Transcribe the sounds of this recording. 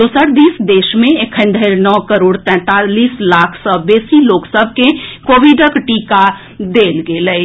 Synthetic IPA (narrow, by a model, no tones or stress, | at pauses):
d̪oːsəɾd̪iːsd̪eːʃmẽekʰə̃nd̪ʱəɪɾnɔːkəɾoːɽt̪ɛ̃ːt̪aliːslaːkʰsɔbeːsiloːksəbʱkekoːʋiɖəkʈiːka | d̪eːlɡeləi